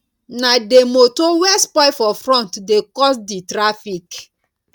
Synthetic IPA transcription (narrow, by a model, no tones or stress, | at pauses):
nademotowɛspɔɪfɔfɾɔ̃ntdekɔsditɾafik